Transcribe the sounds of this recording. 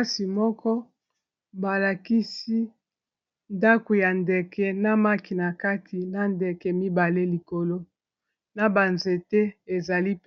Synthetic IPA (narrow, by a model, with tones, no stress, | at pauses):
si˨mɔ˦kɔ˦ | ba˨la˨ki˦si˦ | nda˦ko˨ja˨nde˨kɛ˦na˦ma˦ki˨na˨ka˦tʰi˨na˦ndɛ˨kɛ˨mi˦ba˨le˦li˨ko˨lo˦ | na˨ba˨nze˨te˦e˨za˨li˦p